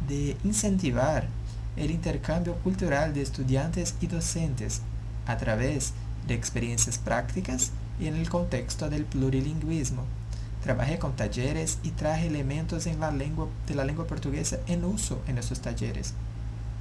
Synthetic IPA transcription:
d̪einsẽnt̪iβaɾ | elint̪eɾkãmbjokult̪uɾald̪eːst̪ud̪jãnt̪esid̪osẽnt̪es | at̪ɾaβez | d̪eːkspeɾjẽnsjaspɾakt̪ikas | ienelkont̪ekst̪oðelpluɾiliŋɡwizmo | t̪ɾaβa̰xekont̪ad͡ʒeɾesit̪ɾaxeelemẽnt̪ozenw | d̪̥elalẽŋɡwapoɾt̪uɣesaʔenusoʔenesost̪ad͡ʒḛɾḛs

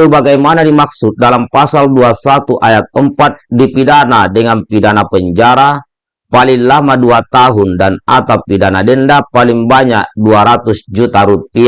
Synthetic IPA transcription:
ubaɡajmanadimak̚sut̪̚dalampasalduasat̪uʔajat̪̚əmpat̪̚dipidanadəŋanpidanapəɲd͡ʒaɾa | paliŋlamaduat̪aɦundanat̪awpidanadəndapaliŋbaɲak̚duaɾat̪usd͡ʒut̪aɾupia

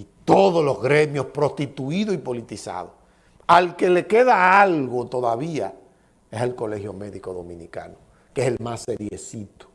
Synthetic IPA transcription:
it̪o̞ðolo̞zɣɾe̞mjo̞spɾo̞st̪it̪uiðoipo̞lit̪isa̰ðo̰ | alke̞le̞ke̞ðaalɣo̞t̪o̞ðaβia̰ | esalko̞le̞hjo̞me̞ðiko̞ðomĩnika̰no | keselmaseɾjḛsit̪o̥

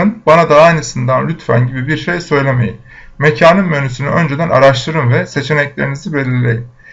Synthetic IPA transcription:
ɯnbanad̪aajnɯsɯnd̪anlʲyt̪fæ̰nɟibibiɾʃejsø̞jlʲe̞me̞̰jim | mecʰaːnɯmmø̞nysynyʔø̞nd͡ʒed̪æna̰ɾaʃt̪ʰˠɯɾɯmvɛse̞t͡ʃʰe̞nɛclʲe̞ɾinizibe̞lʲillʲe̞̰jim

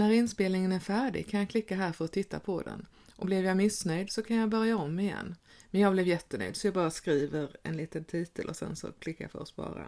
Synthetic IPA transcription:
næɾɪnspeːlnɪŋənæɾfæːɖɪ̰ɡkʰanjɑkʰlɪkːaɦæːɾfœɾɔt̪ʰːɪt̪ʰːa̰pʰɔd̪ɛ̰n | ʔɔblɛvjɑmɪsnœjd̪sɔkʰanjɑbœɾjaɔmːɪjɛ̰nː | mɛnjɑːɡblɛvjɛt̪ːənœ̰jd̪sɔjɑːbɑːɾaskɾiːvəɾɛ̰nliːt̪ənt̪ʰiːt̪ʰə̰lʔɔsɛ̰nsɔ̰kʰlɪkːafœ̰ɾɔspɑ̰ːɾa̰

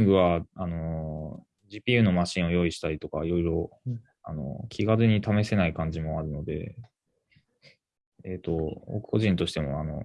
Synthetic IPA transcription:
ŋɡɯ̟βaano̞ | d͡ʑiːpʲiːjɯ̟no̞maɕĩɰ̃o̞jo̞ːiɕi̥t̪aɾʲit̪o̞kaiɾo̞iɾo̞ | a̰no̞̰kʲʰiɡaɾɯɲ̟it̪ame̞se̞naikãɲ̟d͡ʑimo̞aɾɯ̟no̞d̪e̞̰ | et̪o̞o̰kɯ̟̥ko̞̰ʑĩnt̪o̞ɕi̥t̪e̞mo̞̰ano̞̰

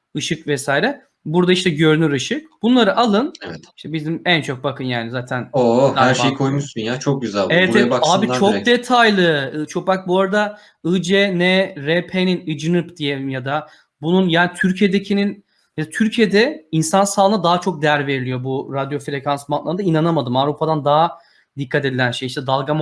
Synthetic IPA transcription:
ɯʃɯkvɛsaːjɾɛ | buɾd̪aiʃt̪ʰɛɟø̞ɾnyɾɯʃɯk̚b̥unlˠaɾɯʔalˠɯnɛvɛt̪iʃt̪ʰɛbizimænt͡ʃʰo̞k̚bakʰɯnjaːnizaːt̪ʰænoahæɾʃejkʰojmuʃsynjat͡ʃʰok̚ɟyzælevɛɛaːbit͡ʃʰokd̪et̪ʰajlˠɯt͡ʃʰo̞kak̚buaɾad̪a | ɯd͡ʒɛnɛɾɛpʰeninɯd͡ʒɯnɯpd̪ijeimjad̪a | bununjaːnit̪ʰyɾcʰijed̪ecʰinin | jad̪at̪ʰyɾcʰijed̪ɛinsansaːlˠɯnad̪aɦat͡ʃʰo̞k̚d̪ejæɾve̞ɾilʲijo̞buɾad̪jo̞fɾe̞cʰansmanlˠaɾɯnd̪ainanamad̪ɯmavɾupʰad̪and̪aɦa | d̪ikʰːat̪e̞d̪ilʲænʃe̞jiʃt̪ɛd̪alˠɡam

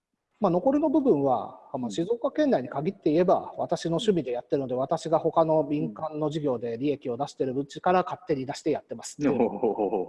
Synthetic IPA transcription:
mano̞ko̞ɾʲino̞bɯ̟bɯ̟̃ɰ̃βa̰maɕizo̞ːkakẽ̞nd̪aiɲ̟ikaɡʲit̪ːe̞ie̞ba̰βa̰t̪aɕino̞ɕɨmʲid̪e̞jat̪ːe̞ɾɯ̟nod̪e̞at̪aɕiɡaho̞kano̞mʲĩŋkãnːo̞ʑiɡʲo̞ːd̪e̞ɾʲie̞kʲio̞d̪aɕi̥t̪e̞ɾɯ̟bɯ̟t͡ɕikaɾakat̪ːe̞ɲ̟id̪aɕi̥t̪e̞jat̪ːe̞masɨ̥

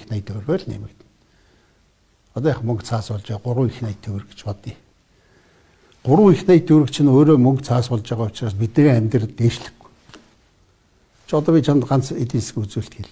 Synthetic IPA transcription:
xnajt̪ʰɵwrɣeːɮnḛːmɘ̆kt̪n | ɔt̪ɔːjaχmɵŋkt͡sʰaːspɔɮt͡ɕaːɢʊɾʁʊ̆ŋixnæjt̪ʰːɵw̆rɘ̆ɡt͡ɕpɔt̪iː | ɢ̥ʊɾʊŋixnæːjt̪ʰːɵwɾɘ̆kt͡ɕʰĭnoːɾoːmɵŋkt͡sʰaːspɔɮt͡ɕaːʁaːʊ̥t͡ɕraːspit̪̚neːɣeːæmʲt̪r̆t̪ːeːʃɮɘ̆ɡu̥ | t͡ɕʰɔt̪ɔːpʲiːt͡ɕʰamt̪ɢan̥t͡set̪iːnskut͡suːɬt̪eɮ

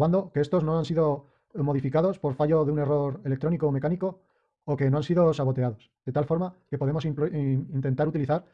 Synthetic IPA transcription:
and̪o̞ke̞est̪o̞znoansiðo̞ | mo̞ðifikaðo̞spo̞ɾfaʝo̞ðeune̞ro̞ɾe̞lek̚t̪ɾo̞nikoːme̞kaniko̞ː | ke̞no̞ansiðosaβ̞o̞t̪e̞aðo̞sðe̞t̪alfo̞ɾmake̞po̞ðe̞mosint̪e̞nt̪aɾut̪iliθaɾ

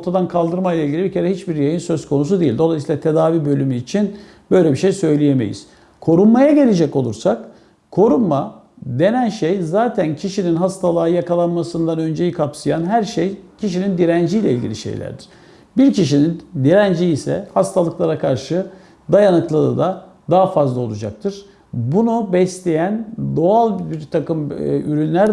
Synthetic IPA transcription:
o̞ɾt̪ʰad̪ankʰalˠd̪ɯɾmajlˠailʲɟilʲibicʰe̞ɾɛɦit͡ʃbiɾjajɯnsø̞zkʰo̞nus̬ud̪ejilʲd̪o̞lˠajsilˠat̪ʰe̞d̪aːviːbø̞lʲymyːt͡ʃʰin | b̥ø̞jlʲebiʃejsø̞jlʲije̞me̞̰jḭz̥ | kʰo̞ɾunmajaɟe̞lʲe̞d͡ʒɛco̞lˠuɾsak | kʰo̞ɾunma | d̪e̞nænʃejzaːt̪ʰæncʰiʃininɦast̪ʰalˠaːjakalˠanmasɯnd̪anø̞nd͡ʒejikʰapsɯjanɦæɾʃejcʰiʃinind̪iɾænd͡ʒijlʲɛilʲɟʲḭlʲiʃḛjlʲæ̰ɾd̪iɾ̥ | biɾciʃinind̪iɾænd͡ʒiisɛ̰hast̪ʰalˠɯklˠaɾakʰaɾʃɯ | d̪ajanɯklˠad̪ɯ̰ːd̪a | d̪aɦafazlˠaolˠud͡ʒa̰k̚t̪ʰɯɾ̥ | bunubɛslʲe̞jænd̪o̞alˠbiɾt̪ʰakɯmyɾynlʲæɾ

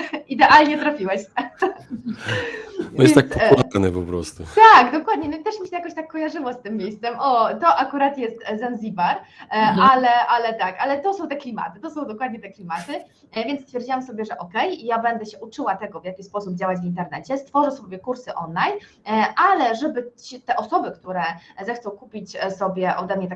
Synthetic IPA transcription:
id̪ɛʔalɲɛt̪ɾafʲiwɛɕ | vɔjɛsjɛnak̪spulat̪anɛpɔpɾɔ̰st̪ut̪aɡd̪ɔkwad̪ɲɛnɔit̪ɛʂmʲiɕɛjakɔɕt̪akːɔjaʐɘwɔst̪ɘmːjejst̪sɛmʔɔt̪ɔʔakuɾat̪jɛst̪zanzʲibaɾalɛʔalɛt̪akalɛt̪ɔsɔ̃w̃t̪ɛklʲima̰t̪ɘt̪ɔsɔ̃w̃d̪ɔkwad̪ɲɛt̪ɛklʲimat̪ɘ | vʲjɛnt̪st̪fʲjɛɾd͡ʑiwamsɔbʲjɛʐɛʔɔkɛjijabɛnd̪ɛɕɛʔut͡ʂɘwat̪ɛɡɔvjakʲispɔsub̚d͡ʑawad͡ʑvʲint̪ɛɾnɛt͡ɕɛst̪fɔʐɛsɔbʲjɛkuɾsɘʔɔnlajn | ʔalɛʐɛbɘɕɛt̪ɛʔɔsɔbɘkt̪uɾɛzɛxt̪ɔ̃w̃kupʲit͡ɕsɔbʲjɛʔɔd̪ɛmɲɛt̪a

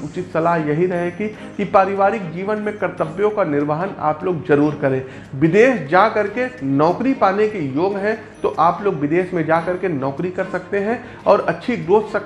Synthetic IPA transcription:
ʊt͡ʃɪt̪sɐlaːɦjɐɦiɾɐɦeki | kipaːɾɪʋaːɾɪk̚d͡ʒiːʋənmẽkɐɾt̪əbjõkanɪɾʋaːɦəna̰ːploːɡzɐɾuːɾkɐɾẽː | ʋɪd̪eːʃd͡ʒaːkɐɾkenɔːkɾipaːnekijoːɡɦɛ̃ | t̪oʔaːploːɡʋɪd̪eːʃmẽd͡ʒaːkɐɾkenɔːkɾikɐɾsɐk̚t̪eɦɛ̃ | ɔːɾɐtːʃʰiɡɾoːssɐ

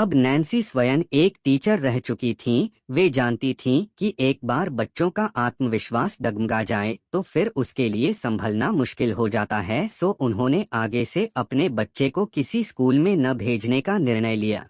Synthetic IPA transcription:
ɐbnɛ̃ːnsisʋɐjəneːkʈiːt͡ʃəɾːɛɦt͡ʃʊkit̪ʰĩ | ʋeːd͡ʒaːnt̪it̪ʰĩkiʔeːk̚baːɾbɐtːʃõkaʔaːt̪məʋɪʃwaːsɖɐɡmɡad͡ʒaːet̪oːfɪɾʊskeliesɐ̃mbʱəlnamʊʃkɪlɦod͡ʒaːt̪aɦɛsoːʔʊnɦõːneʔaːɡeseʔɐpnebɐtːʃekokɪsiskuːlmẽnɐbʱeːd͡ʒnekanɪɾɳəjlija̰ː

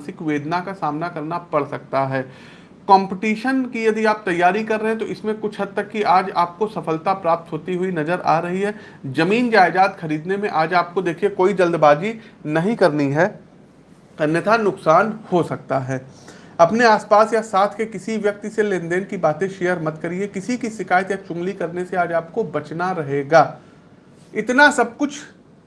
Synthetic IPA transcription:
sɪkʋeːd̪nakasaːmnakɐɾnapɐɽsɐk̚t̪aɦɛː | kɔ̃ːmpɪʈiːʃənkijɐd̪iaːp̚t̪ɐjːaːɾikɐɾːɐɦɛ̃t̪̬oʔɪsmẽkʊt͡ʃʰɦɐd̪̚t̪ɐkːiʔaːd͡ʒa̰ːp̚kosɐfəlt̪apɾaːp̚t̪ɦoːt̪iɦuinɐzəɾa̰ːɾɐɦiɦɛː | zɐmiːnd͡ʒaːɪd͡ʒaːt̪xɐɾiːd̪nemẽʔaːd͡ʒaːp̚kod̪eːkʰiekoːid͡ʒɐld̪baːd͡ʒinɐɦĩkɐɾniɦɛː | nɪt̪ʰanʊksaːnhosɐk̚t̪aɦɛː | ɐpneaːspaːsjasaːt̪ʰkekɪsiʋjɐk̚t̪iselẽːnd̪eːnkibaːt̪ẽʃejəɾmɐt̪kɐɾiekɪsikisɪkaːjət̪jat͡ʃʊ̃ŋɡlikɐɾneseaːd͡ʒaːp̚kobɐt͡ʃnaɾɐɦeːɡaː | ɪt̪nasɐb̚kʊt͡ʃʰ

